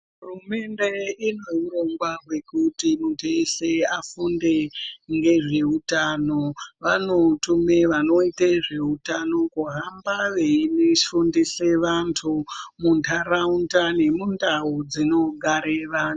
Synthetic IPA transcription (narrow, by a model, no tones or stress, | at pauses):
ɦurume̞ndeino̞iroŋɡwarwe̞kutimutʰeiseafundeŋɡe̞ʐe̞utanoʋano̞tumeʋano̞iteʐe̞utano̞kuɦambaʋeineʃundiseʋantʰumuntʰarauntane̞mundaud͡zino̞ɡʱaɾeʋan